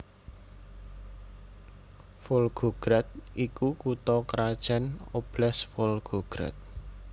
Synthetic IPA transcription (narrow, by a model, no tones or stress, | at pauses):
folɡ̥oɡ̥ɾat̪̚ʔikukut̪ɔkəɾad̥ʒ̥anob̥lɛsfolɡ̥oɡ̥ɾa̰t̪̚